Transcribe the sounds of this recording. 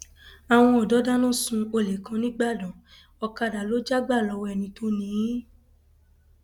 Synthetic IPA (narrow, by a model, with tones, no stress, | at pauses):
a˨w̃ɔ̃˧ɔ˨dɔ˨˦da˦nũ˦˨sũ˧o˧le˨kã˧nĩ˦ɡ͡ba˦˨dɔ̃˨ | ɔ˧ka˧da˨lo˨˦d͡ʒa˦ɡ͡ba˦˨lɔ˨˧wɛ˦˨nĩ˨˦to˦nĩ˨˦